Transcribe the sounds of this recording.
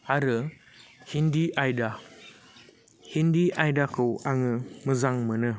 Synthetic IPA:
aɾɯ | hindiajda | hindiʔajdakɯwʔaŋɯməzaŋmənɯ

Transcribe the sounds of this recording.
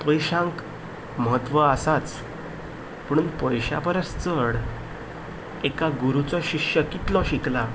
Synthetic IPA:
pəjɕãŋk | məɦət̪ʋəasat͡s | pəɳpəjɕa̰pəɾəst͡səɽ | ekaɡuɾut͡sɔɕiɕjəkit̪lɔɕikla

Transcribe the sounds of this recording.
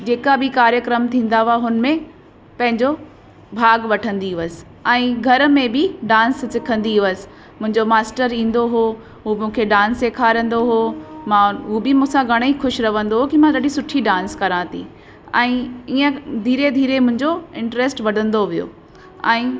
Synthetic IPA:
d͡ʑeːkabɪkaːɾjəkɾəmt̪ʰĩːn̆d̪aɦuaɦʊnmẽ | pɐ̃ɦɪ̃ɲd͡ʑo | bʱaːɡʋɐʈʰə̃nd̪iɦʊʋəsɪ̥ | ɛ̃ːɡʱɐɾmẽbɪɖãːnssɪkʰə̃nd̪iɦʋəsɪ̥ | mʊ̃ɦɪ̃ɲd͡ʑomaːsʈəɾĩːn̆d̪oɦo | ɦumũːkʰeɖãːnseːkʰaːɾə̃n̆d̪oɦomãɦuobɪmũːsãɡʱɐɽ̃ixʊʃɾɐʋə̃nd̪oɦokimãɾɐɖisʊʈʰiɖãːnskɐɾãt̪ʰḭ | ɛ̃ːiə̃d̪ʱiːɾed̪ʱiːɾemʊ̃ɦɪ̃ɲd͡ʑoɪ̃ɳʈɾeːsʈʋɐɖʱə̃nd̪oʋijo̰ː | ɛ̃ː

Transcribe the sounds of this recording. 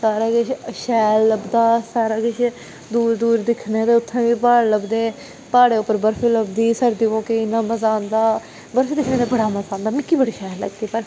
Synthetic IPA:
saːɾaːɡɪt͡ʃʃɛːlːəbd̪aːsaːɾaːɡɪt͡ʃ | d̪uːɾd̪uːɾd̪ɪkʰneːd̪eːʊt̪ʰːẽːʋiːpaːɽləbd̪eː | paːɽeːʊpːəɾbəɾfiːləbd̪iːsəɾd̪ioːkeɪnːãːməzaːnd̪aː | bəɾfiːd̪ɪkʰneːd̪ebəɽaːməzãːnd̪aːmɪkːiːbəɽiːʃɛːlːə̰ɡd̪iːpəɾ

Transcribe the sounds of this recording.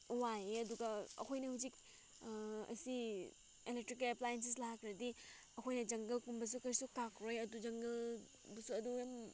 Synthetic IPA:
wajeɐduɡɐɐ̰kʰojnɐhuzik̚ | ɐ̰si | elek̚tɾikɐplajens̬es̬laɦakʰɾɐdi | ɐkʰojnɐd͡ʒɐŋɡɐlkumbɐs̬ukɐɾsukakɾojɐdud͡ʒɐŋɡɐl | bɐsuɐdujam

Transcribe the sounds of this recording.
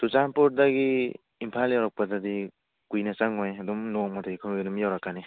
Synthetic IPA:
sut͡ʃanpɔɾ̚daɡi | impʰaljawɾak̚padadi | kujnasaŋɔjadumnɔŋmataɡikʰɯmdumjawɾakːani

